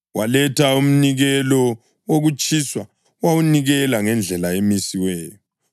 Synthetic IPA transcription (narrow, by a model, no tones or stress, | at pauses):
walɛtʰaum̩niɣɛlɔ | woɣut͡ʃʼiswa | wawuniɣɛlaŋɛnd͡ɮʱɛlaemisiwɛːjɔ